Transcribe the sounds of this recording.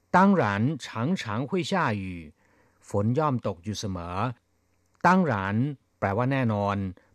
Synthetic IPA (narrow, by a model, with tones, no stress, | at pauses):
t̪a˥˩ŋɾaː˩˦nt͡ɕʰaː˩˦ŋt͡ɕʰaː˨˩˦ŋkʰu˥˩ə˨jt͡ɕʰaː˥˩jiː˨˩ | fo˩˦njɔː˥˩mt̪o˨˩k̚juː˨˩sa˧mɤː˩˦ | t̪a˥˩ŋɾaː˩˦n | plɛː˧˩waː˥˩nɛː˥˩nɔː˧n